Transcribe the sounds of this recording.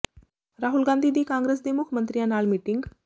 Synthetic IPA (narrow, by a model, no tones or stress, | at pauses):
ɾaɦulɡãnd̪ʱiːd̪iːkãŋɡɾes̬d̪emukʰjəmənt̪ɾijanalmiʈiŋɡ